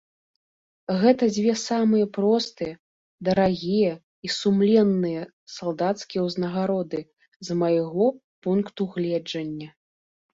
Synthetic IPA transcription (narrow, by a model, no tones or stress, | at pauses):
ɣɛt̪ɐd͡zʲvʲɛsamɨjɐpɾɔst̪ɨjɐ | d̪ɐɾaɣʲijɐ | isumlʲɛnːɨjɐ | salˠd̪at̪skʲijɛwznɐɣaɾɔd̪ɨ | zmɐjɣɔ | punkt̪uɣlʲɛd͡ʐɐnʲːɐ